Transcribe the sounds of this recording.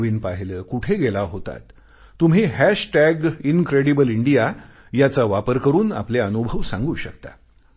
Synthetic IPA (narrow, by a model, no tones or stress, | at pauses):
ʋiːnpaɦləːkuʈʰeɡelaɦot̪a̰t̪ː | um̤iːɦæɕʈæɡinkɾeɽibəliɳɖija | jat͡saʋapəɾkəɾuːna̰pleənubʱəʋsã̰ŋɡuːɕəkt̪a̰